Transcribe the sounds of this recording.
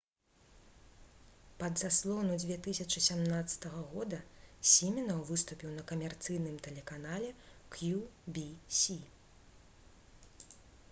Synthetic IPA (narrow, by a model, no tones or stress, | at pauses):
pɐd̪zaslˠɔwnud͡zʲvʲeɛt̪ɨsʲɐt͡ʂɨsʲamnat̪sːɐ̥t̪ɐɣɐɣɔd̪ɐsʲimʲɛnɐwvɨst̪upʲiwnɐkɐmʲɛrt̪sɨjnɨmt̪ɛlʲɛkanalʲɛkjubʲisʲi